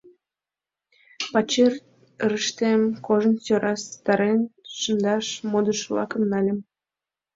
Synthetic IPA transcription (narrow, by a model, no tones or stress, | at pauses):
pɑt͡ɕer | ɾəʃt̪emkoʒə̆nsøɾʔɑst̪ɑɾenu̥ʃə̆nd̪ɑʃmod̪əʃlɑ̰kə̆mnɑlʲem